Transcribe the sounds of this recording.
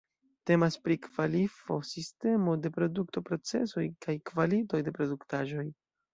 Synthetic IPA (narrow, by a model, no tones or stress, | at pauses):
te̞maspɾikvalifo̞siste̞mo̞de̞pɾo̞duk̚to̞pɾo̞t͡se̞̰so̞jkajkvalito̞jde̞pɾo̞duktaʒo̞j